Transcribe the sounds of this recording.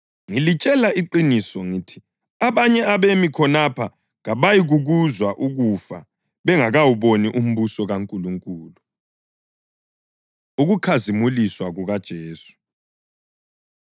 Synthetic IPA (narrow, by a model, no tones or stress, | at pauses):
ŋilit͡ʃʼɛlaiǃinisɔŋitʰi̥ | aβaɲɛaβemikʰɔnapʰa | ɣaβajiɣuɣuzwaʔuɣufa̰ | βɛŋaɣawuβoniʔum̩βusɔɣaŋkʼuluŋkʼuːlu | uɣukʰazimuliswaɣuɣad̥ʒ̥ʱeːsu̥